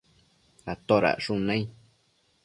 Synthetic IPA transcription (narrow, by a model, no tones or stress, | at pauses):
ɾat̪oɾa̰ʔʂũnẽĩ